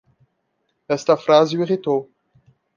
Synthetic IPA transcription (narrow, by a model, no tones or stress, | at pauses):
ɛst̪ɐfɾazɪuiʁit̪ow